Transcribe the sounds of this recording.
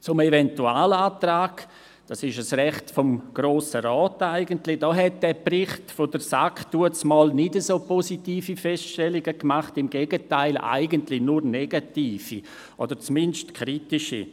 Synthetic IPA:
t͡sʊmevɛntuaːlaːtraːɡ | d̥asɪʃəsrɛχtfɔmɡ̥ɾoːsəɾɔːtaɪɡəntlɪd̥ɔːɦɛt̚d̥ɛːbrɪχtfodəɾsaktuət͡smɔːlnɪdəsoːpɔsitiːfifɛstʃtɛlɪɡəkmaχtɪmɡeːɡətaɪlʔa̰ɪɡəntlɪnuɾnɛɡatiːfḭ | ʔod̥əɾt͡smɪnʃtkʰɾitɪʃḭ

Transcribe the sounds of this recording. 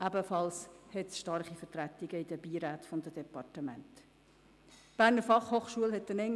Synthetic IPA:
ʔæbəfɑlshɛtsʃtɑɾχifəɾtɾæt̪iɡ̥əid̥̪əb̥iːɾæːt̪fɔnd̥̪əd̥̪ɛpɑrtəmæ̰nt̪ | b̥æːɾnəɾfɑχhoːχʃuəlhɛt̪̚dɛnɛŋ

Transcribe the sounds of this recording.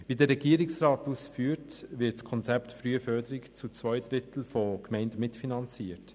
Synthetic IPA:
ʋiːdəɾɛɡiəɾɪksrɑːtusfyːəɾtvɪtskʰɔnt͡sɛptfɾyːəfœdəɾɪkt͡sut͡svɔjd̪ɾɪtl̩fɔkmɛɪndəmɪtfinɑnt͡siːət

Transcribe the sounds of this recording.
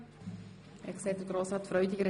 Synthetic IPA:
ɛ̰ksɛːtdəɡ̥ɾoːsɾɑːtfɾœʏd̪ɪɡəɾ

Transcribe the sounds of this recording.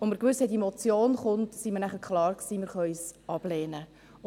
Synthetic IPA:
oməɾkʋʏshɛtdemɔt͡sjoːnχʊntsiməɾnæχəkʰχlɑːɾksiːməɾχœœʏsɑb̥lɛːnə

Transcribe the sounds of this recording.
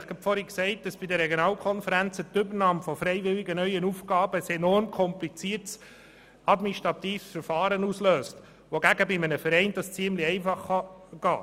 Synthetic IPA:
χɡ̥ɛpfɔɾiksɛɪt̚d̥ɑsb̥ɪdəɾɛɡjonɑːlkʰɔnfəɾænt͡sətʏbənɑːmfɔfɾɛɪʋɪliɡənœʏənufɡɑːbəsɛnɔrmkʰɔmplit͡siːəɾts | ɑdmɪnʃtɾɑt̪iːfsfəɾfɑːɾənusløːst | ʋoɡæɡəbɪmənəfɛɾɛɪnd̥ɑst͡siəmliɛɪfɑχːɑɡ̥ɑː

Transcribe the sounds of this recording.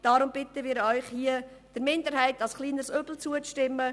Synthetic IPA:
d̥aɾʊmb̥ɪt̪əʋiːɾœʏχhiəd̥əɾmɪndəɾɦɛɪtɑlsχliːnəɾsøbl̩t͡suəʃtɪmːə

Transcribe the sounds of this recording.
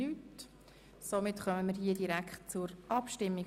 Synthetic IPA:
yːt | somɪtχœməməɾhiədiɾækχt̚t͡sʊɾʔɑpʃtɪmːi

